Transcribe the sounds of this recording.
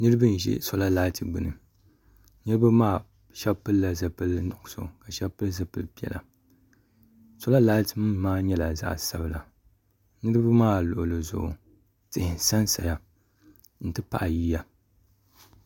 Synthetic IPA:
nɨ˦ɾɨ˦bɨ˦n̩˨ʒɛ̰˦so˦la˦laː˦lti˨ɡ͡bɨ˨nɨ̰˨ | nɨ˦ɾɨ˦ba˦maː˦˨ | ʃɛ˦bpɨ˦lːa˨za˨pɨ˦lnʊ˨ʔʊ˨so̰˨ka˨ʃɛ˦bpɨ˦lza˨pɨ˦lpi˦ɛ̰˨la̰˨ | so˦la˦laː˦lti˨mɨ˦mː˦aː˦ɲɛ˦la˨za̰˦ʔsa˦bɨ˨la̰˨ | nɨ˦ɾɨ˦bɨ˦maː˦˨lʊ̰˨ʔʊ˨lɨ˨zʊ̰˨ʔ | tɨ˨hɪ˨n˨sa˦nsa̰˨ja˦ | n̩˨tɨ˦pa̰˨ʔa˨jiː˦ja˨

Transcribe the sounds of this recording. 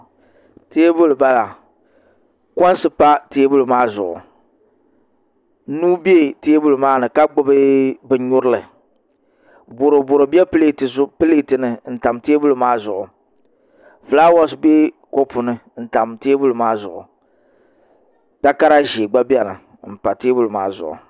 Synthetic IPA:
te˦bʊ˦lba˦la˨ | kɔ˦n˦sɨ˦pa˦teː˦bʊ˦lmaː˦zʊ˨ʔʊ̰˨˦ | nuː˦be˦˨teː˦bʊ˦lmaː˦nɨ˨ka˦ɡ͡bʊ˦bɨ˦bɨ˨ɲʊ˦ɾɨ˦lɨ˨ | bʊ˨ɾo˨bʊ˨ɾo˨bɛ˦pɨ˦le˦tɨ˨˦pɨ˦le˦tɨ˨nɨ˨n̩˦ta˨mteː˦bʊ˦lmaː˦zʊ˨ʔʊ˨ | fla˦wɔ˦sbe˦ | ko˦pu˨nɨ˨n̩˦ta˨mteː˦bʊ˦lɨ˨maː˦zʊ˨ʔʊ˨ | ta˦ka˦ɾa˦ʒeː˨ɡ͡ba˦bi˦ɛ˦nɨ˨ | m̩˨pa˨teː˦bʊ˦lɨ˨ma̰ː˦zʊ̰˨ʔʊ̰˨

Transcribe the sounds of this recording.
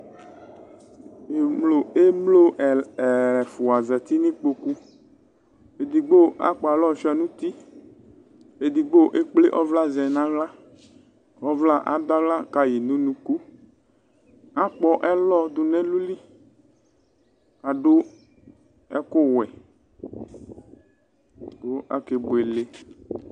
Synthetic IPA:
e˨mlo˨e˦mlo˦˨ɛ˨fu˨a˨zɛ˨t̪i˦nĩ˦k͡po˨ku˦ | e˨d̪i˨ɡ͡bo˦a̰˦k͡pɔ˨a˨lɔ˦˨fa˨nũ˦t̪i˦ | e˨d̪i˨ɡ͡bo˦ʔe˦k͡ple˦ʔɔ˦vla˦zɛ˨nã˦ɣla˦ | ɔ˦vla˦˨ʔa̰˨d̪a˦vla˦ka˨ji˨nũ˦nũ˨ku˦ | a˦k͡pɔ˦ʔɛ˦lɔ˦d̪o˨nɛ̃˦lu˦li˦ | a˨ɖo˦ | ɛ˦ko˦wɛ˨ | ko˦a̰˦ke˨bo˨e˨le˦

